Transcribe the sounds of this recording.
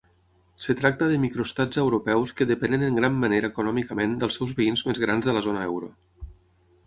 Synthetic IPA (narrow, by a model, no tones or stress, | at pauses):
sət̪ɾak̚t̪əðəmikɾust̪ad͡zəwɾupɛwskəðəpɛnənəŋɡɾamːəneɾəːkunɔmikəmend̪əlˠsɛwzβəinzmezɣ̞ɾanzðələzonəɛ̰wɾṵ